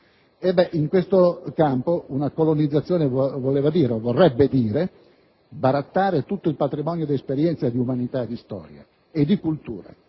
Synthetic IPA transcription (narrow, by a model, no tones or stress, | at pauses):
ebːɛʔiŋkwest̪okampounakolonid̪zːat̪sːjɔːnevoleːvad̪iːɾovorːɛbːed̪iːɾe | baɾat̪ːaːɾet̪ut̪ːoilpat̪ɾimɔnjod̪iespeɾjɛnt̪sad̪iumanit̪aed̪ːist̪ɔ̰ːɾja̰ | ed̪ːikult̪ṵːɾa̰